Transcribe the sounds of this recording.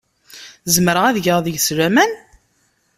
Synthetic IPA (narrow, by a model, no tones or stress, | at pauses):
zəmɾəʁæðʝəʁðəʝsɾæmæn